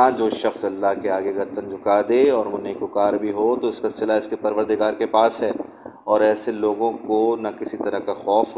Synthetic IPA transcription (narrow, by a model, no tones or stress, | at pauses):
ãd͡ʒoːʃɐxsɐlːaɦkeaːɡeɡɐɾt̪ənd͡ʒʱʊkad̪eɔːɾmʊ̃nekokaːɾbʱiɦot̪oɪskasɪlaɪskepɐɾʋəɾd̪ɪɡaːɾkepaːsɦɛː | ɔːɾɛːseloːɡõkonakɪsit̪ɐɾəkaxɔːf